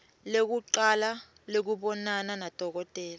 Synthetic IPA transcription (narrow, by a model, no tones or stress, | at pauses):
lek̬uǃala | lek̬uɓɔnananad̥ʱɔk̬ɔtʼɛːla